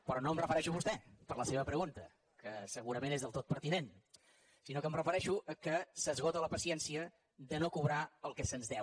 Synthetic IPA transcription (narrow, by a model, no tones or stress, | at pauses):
pɾɔnoəmrəfəɾɛʃuβust̪ɛpəɾləseβəpɾəɣunt̪ə | kəsəɣuɾəmenezðəlˠt̪ot̪̚pəɾt̪inen | sinokəmrəfəɾɛʃuʔəkəsəzɣot̪ələpəsiɛnsiə | ðənokuβɾaəlˠkɛsənzðɛw